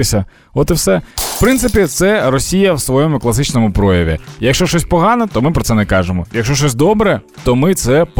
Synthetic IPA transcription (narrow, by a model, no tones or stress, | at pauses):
ɪsʲɐ | ɔt̪ɪwsɛpɾɪnsɪpʲit̪sɛrɔsʲijɐwsʋɔjɔmʊklˠɐsɪt͡ʃnɔmʊpɾɔjɐʋʲḭjɐkʃt͡ʃɔʃt͡ʃɔsʲpɔɦɑnɐt̪ɔmɪpɾɔt̪sɛnɛkɑʒemɔjɐkʃt͡ʃɔʃt͡ʃɔsʲd̪ɔbɾɛt̪ɔmɪt̪sɛp